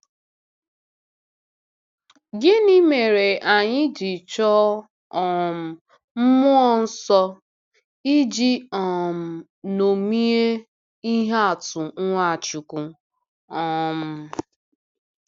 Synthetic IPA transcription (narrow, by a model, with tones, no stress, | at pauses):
ɡɪ˦ni˦me˨ɾe˨ʔa˨ɲɪ˦d͡ʒi˨t͡ʃɔ˦ | ɔ˨m̩˨ | m̩˦mʊ˦ɔ˦n̩˦sɔ˦ | i˦d͡ʒi˦ɔ˨m̩˨ | no˨mi˦e˦ | i˦ɦe˦a˨tʊ˨ŋ˦ŋʷa˦˨t͡ʃu˨kʷu˨ | ɔ˨m̩˨